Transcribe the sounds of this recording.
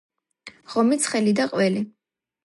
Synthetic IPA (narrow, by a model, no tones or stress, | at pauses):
ʁɔmit̪sʰχɛlid̪aqʼwɛli